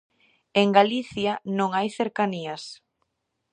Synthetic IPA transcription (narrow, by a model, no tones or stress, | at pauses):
eŋɡaliθjanõŋajθeɾkaniɐs